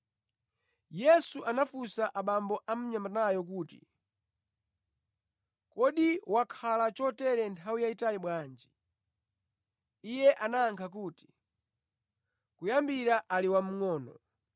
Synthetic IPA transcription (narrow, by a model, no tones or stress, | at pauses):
jɛsuʔanafusaʔaɓambɔʔam̩ɲamanajɔkuːtḭ | kɔɗiwakʰalat͡ʃɔtɛɾɛntʰawijaitaliɓwaːnd͡ʒi̥ | ijɛʔanaːŋkʰak̬uːti̥ | kujambiɾaʔaliwam̩ŋɔːnɔ̰